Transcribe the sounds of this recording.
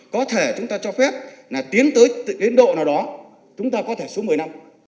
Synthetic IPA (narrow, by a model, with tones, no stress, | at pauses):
kɔ˨˦t̪ʰe˧˩t͡ɕʊ˨˦ŋ͡mt̪aː˧t͡ɕɔ˧fɛ˦˥p̚laː˨˩t̪i˨˦ənt̪əː˨˦jt̪ɨ̰˧˨ɗi˨˦nɗo̰˧˨naː˨˩wɗɔ˨˦ | t͡ɕʊ˨˦ŋ͡mt̪aː˧kɔ˨˦t̪ʰe˧˩su˨˦m˨˩əjna˧m